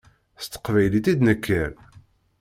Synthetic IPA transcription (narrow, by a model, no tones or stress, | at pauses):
st̪ə̥qvæjlit̪id̪nəkʰːəɾ